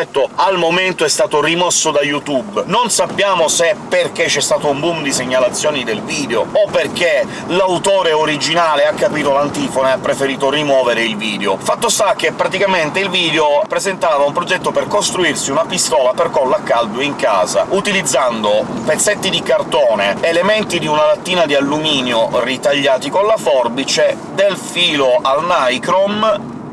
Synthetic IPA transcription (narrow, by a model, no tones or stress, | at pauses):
ɛt̪ːoalmoment̪oɛst̪aːt̪orimɔsːod̪ajut̪ubnonsapːjaːmosepːerk̟et͡ʃːɛst̪aːt̪oumbumd̪iseɲːalat̪sːjɔːnid̪elviːd̪eoopːerk̟e | lawt̪oːɾeoɾid͡ʒinaːleakːapɾiːt̪olant̪iːfoneapːɾefeɾiːt̪orimwɔːveɾeilviːd̪eofat̪ːost̪ak̟ːepːɾat̪ikament̪eilviːd̪eopɾezent̪aːvaumpɾod͡ʒɛt̪ːoperkost̪ɾuirsiunapist̪ɔːlaperkɔlːakːald̪uiŋka̰ːza̰ut̪ilid̪zːand̪opet̪sːet̪ːid̪ikart̪oːneːlement̪id̪iunalat̪ːiːnad̪ialːumiːnjorit̪aʎːaːt̪ikolafɔrbit͡ʃe | d̪elfiːloʔalnajkɾom